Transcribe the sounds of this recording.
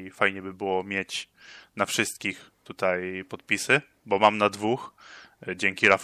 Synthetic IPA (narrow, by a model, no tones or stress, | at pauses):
fajɲɛbɘbɘwɔmʲjet͡ɕ | nafʂɘst̪̚kʲixt̪ut̪ajpɔt̪̚pʲisɘ | bɔmamnad̪vux | d͡ʑɛŋkʲiɾaf